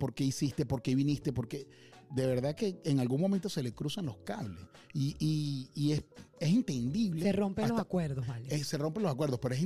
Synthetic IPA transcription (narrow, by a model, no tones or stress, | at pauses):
po̞ɾke̞isist̪epo̞ɾke̞βinist̪e̞po̞ɾke̞ | d̪e̞βe̞ɾðake̞ːŋalɣuŋmomẽnt̪o̞se̞le̞kɾusanlo̞skaβlḛs | iiiese̞sint̪end̪iβleeromealosakweɾðoβaleese̞ro̞mpe̞nlosakweɾð̞o̞hpe̞ɾoesi